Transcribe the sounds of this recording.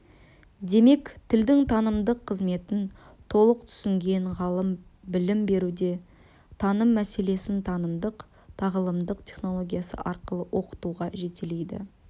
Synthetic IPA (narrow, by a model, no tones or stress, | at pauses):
d̪e̞me̞kt̪ʰɪld̪ɪŋt̪ʰɑnəmd̪əqʰːəzme̞t̪ɪn | t̪ʰo̞lˠəq̚t̪ʰʏ̥sɪŋɡʲe̞ɴʁɑlˠəmbɪlɪmbe̞ɾud̪e̞ | t̪ʰɑnəmːæse̞le̞sɪnt̪ʰɑnəmd̪əq | t̪ʰɑʁəlˠəmd̪əqt̪ʰʲe̞χno̞lˠo̞ɡʲijasə̰ʔɑɾqəlˠəwʔo̞qə̥t̪uʁɑʒe̞t̪ele̞jd̪ɪ̰